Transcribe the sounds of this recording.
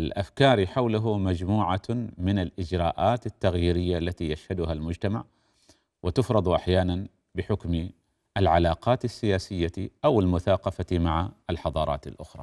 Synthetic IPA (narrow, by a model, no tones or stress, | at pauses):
alʔa̰fkɑːɾiħawlʊɦʊmad͡ʒmuːʕamɪnalʔɪd͡ʒɾɑːʔaːt̪ɪt̪ːaɣjiːɾɪjːalːat̪ijaʃhad̪ʊhalmʊd͡ʒt̪ama̰ʕ | wʔɪt̪ɪfɾˤɑd̪ˤʔaħjaːnan | bɪħʊkm | ʔalʕalɑːqɑːt̪asːɪjaːsɪjːaʔawɪlmʊθɑːqɑfamaʕaɪlħɑd̪ˤɑːɾˤɑ̰ːt̪ɪ̰lʔʊxɾˤɑ̰ː